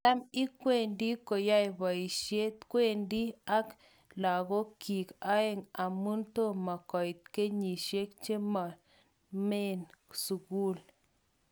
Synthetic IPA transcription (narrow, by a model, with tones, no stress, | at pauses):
t̪a˦mi˦kʷe˦˨nd̪i˦ko˨ja˦jba˨jʃje˦t̪kʷe˦nd̪i˦a˦k | la˨ɡo˦ki˨ka˦e˧ŋa˨mu˦nt̪o˦ma˨ko˨jt̪̚ke˦ɲi˨ʃe˦kt͡ʃe˦ma˨ | me˦nsu˨ɡu˦l